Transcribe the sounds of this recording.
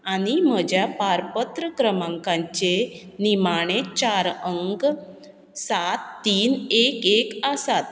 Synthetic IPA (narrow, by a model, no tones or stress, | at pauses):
aɽ̃im̤əd͡ʑjapaɾpət̪ɾəkɾəmãŋkãɲt͡ɕe | nimaɽ̃et͡ɕaɾəŋɡ | sat̪ːiːnekekəsat̪̚